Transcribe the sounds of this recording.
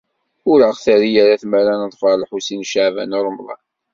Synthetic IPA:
ʊɾəʁθæɾijaɾaθmæɾanəðˤfəɾˤlħusinʃaʕvæ̰nʊɾˤmðˤɑ̰n

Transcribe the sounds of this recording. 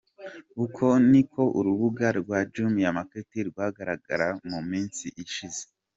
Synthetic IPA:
ukʰo̞nikʰo̞ʔṵɾuβuɡaɾɡwaːd͡ʒumijamaketiɾɡwaːɡaɾaɡa̰ɾamumiːnsiʔiʃize

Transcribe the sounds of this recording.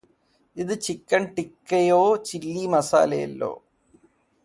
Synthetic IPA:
iðɨt͡ɕikːɐɳʈikːɐjoːt͡ɕilːimɐsa̰ːlɐjɐ̰lːo̞̰ː

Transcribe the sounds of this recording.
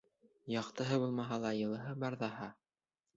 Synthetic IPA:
jɑqt̪ɤ̆ɦɤbulˠmɑɦɑlˠɑjɤ̆lˠɤ̆ɦɤbɑɾðɑhɑ

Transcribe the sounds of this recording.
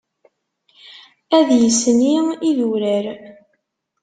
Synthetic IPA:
æðjəsniiðuɾæɾ

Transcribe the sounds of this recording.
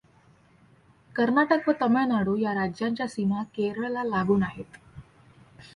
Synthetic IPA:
kəɾnaʈəkʋət̪əmanaɽojaɾad͡ʑjaɲt͡ɕjasimakeɾəɭlalaɡuːnaɦet̪

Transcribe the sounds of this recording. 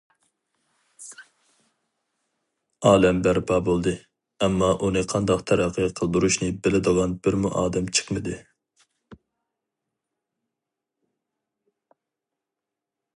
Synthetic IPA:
ɑːlɛmbæɾbɑbolˠd̪ɨ | ɛmːɑʔunɨqʰɑnd̪ɑqt̪ʰæɾæqʰːəqʰəlˠd̪uɾuʃnɨbɪlɪd̪əʁɑnbɪɾmuʔɑːd̪ɛmt͡ʃʰə̥qmɨd̪ɨ

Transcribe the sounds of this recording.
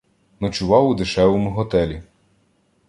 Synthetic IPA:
nɔt͡ʃʊʋɑwud̪ɪʃɛʋɔmʊɦɔt̪ɛlʲi

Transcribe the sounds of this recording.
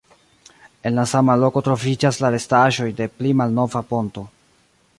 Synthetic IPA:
e̞nlasamalo̞ko̞tɾo̞vid͡ʒaslaɾe̞staʒo̞jde̞plimalno̞vapo̞nto̞

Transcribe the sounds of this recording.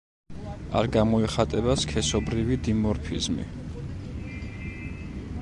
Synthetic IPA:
a̰ɾɡamɔɛχat̪ʼɛbaskʰɛsɔbɾivid̪imɔɾpʰizmḭ

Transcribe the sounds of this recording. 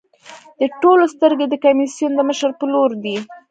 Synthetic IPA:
d̪̥əʈolost̪əɾɡed̪əkamisjund̪əməʃəɾpəloɾd̪i

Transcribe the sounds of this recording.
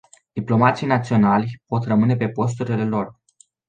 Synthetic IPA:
d̪̥iplo̞mat̪sijnat̪sio̞nalʲpo̞t̪rəmɨne̞pe̞po̞s̬t̪uɾile̞lo̞r

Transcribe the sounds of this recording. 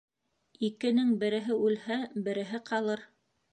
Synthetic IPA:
ikɘ̆nɘŋbɘ̆ɾɘ̆ɦɘʉlhæbɘ̆ɾɘ̆ɦɘqɑlˠɤɾ

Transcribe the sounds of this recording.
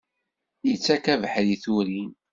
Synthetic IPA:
jət͡sːækævħɾiθuɾin

